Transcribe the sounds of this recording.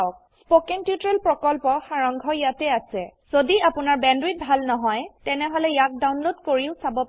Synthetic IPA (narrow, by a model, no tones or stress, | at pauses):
ʊk̚ | spokɛŋtjutɹɛlpɹɔkɔlpɔxaɹɔŋɡʱɔjatɛasɛz̥odiapʊnaɹbɛndɹit̚bʱalnɔɦɔjtɛnɛɦɔlɛjak̚dawnlodkoɹiʊsabɔp